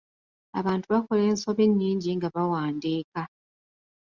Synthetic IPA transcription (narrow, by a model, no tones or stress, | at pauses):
a̰βaːntuβako̞le̞ːnso̞βeɲːiːɲɟiŋɡaβawaːndeːka